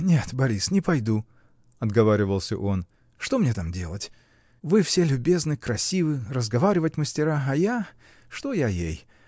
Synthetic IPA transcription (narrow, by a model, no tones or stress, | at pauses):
nʲe̞t̪bɐɾʲisnʲɪpɐjd̪u | ɐd̪ɡɐvaɾʲɪvəlˠsʲə̰ʔo̞n | ʂt̪o̞mnʲet̪amdʲe̞lˠətʲ | vɨfsʲe̞lʲʊbʲe̞znɨkɾɐsʲivɨrəzɡɐvaɾʲɪvətʲməsʲtʲɪɾaɐja | ʂt̪o̞jajej